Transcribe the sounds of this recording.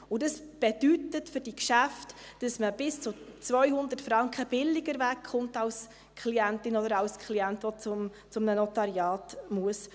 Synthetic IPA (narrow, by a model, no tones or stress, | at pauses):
ʊdəs | b̥edytətfʏrd̥ikʃæftd̥ɑsməb̥ɪst͡sʊt͡svœʏhʊnd̪ətfɾɑŋkχəb̥ɪlːɪɡəɾvækχʊntɑls | kʰliæntɪnɔdəɾɑlskʰliæntot͡sʊm | t͡sʊmnənɔtɑɾjɑːtmuəs